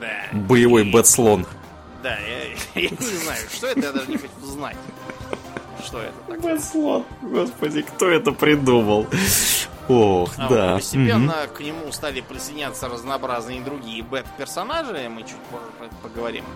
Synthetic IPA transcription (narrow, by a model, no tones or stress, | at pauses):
d̪abəjɪvo̞jbɛt̪slˠo̞n | d̪ajajanʲɪznajʊʂt̪oɛt̪əjad̪aʐɨnʲɪxot͡ɕuzna̰tʲ | ʂt̪o̞ɛ̰t̪ət̪abɛt̪slˠonɡo̞spədʲɪkt̪o̞ɛt̪əpɾʲɪd̪uməlˠ | oxd̪aəsʲtʲɪmɪpʲen̩ːəknʲɪmust̪alʲɪpɾʲɪsɨjdʲɪnʲat̪sərəznɐːbɾaznɨəd̪ɾʊɡʲijəbɛt̪pʲɪrsɐnaʐɨmɨt͡ɕut̚ʲpop | pəɡəvɐɾʲḭm